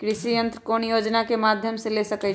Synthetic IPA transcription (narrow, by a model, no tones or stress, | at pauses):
kɾisijənt̪ɾəkonjod͡ʒnakemad̪ʱjəmselesəkɛ